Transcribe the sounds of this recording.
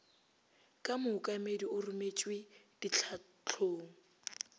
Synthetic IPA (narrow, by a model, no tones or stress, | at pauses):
kʼamʊʊkʼamediʊrʊmet͡ʃʼwɪd̥it͡ɬʰa | t͡ɬʰoːŋ̩